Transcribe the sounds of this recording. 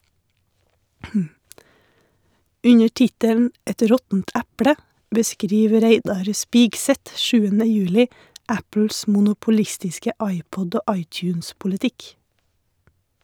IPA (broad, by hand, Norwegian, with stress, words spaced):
ˈʉɲəɾ ˈtɪtəln̩ ˈɛt ˈɾɔtn̩t ˈɛpɽə bəˈskɾiːʋ ˈɾeɪdɑɾ ˈspiːɡˌsɛt ˈʃʉːənə ˈjʉːlɪ ˈæpl̩s mʊnʊpʊˈlɪstɪskə ˈɑɪˌpɔd ˈoː ˈɑɪˌtjʉːnspʊləˌtɪk